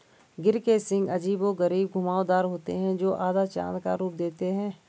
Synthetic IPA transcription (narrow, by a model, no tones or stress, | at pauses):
ɡɪɾkesɪ̃ŋɡɐd͡ʒiːboɡəɾiːb̚ɡʱʊmaːod̪aːɾɦoːt̪ḛɦɛ̃d͡ʒoːʔaːd̪at͡ʃã̰ːnd̪ka̰ɾuːp̚d̪eːt̪eɦɛ̃ː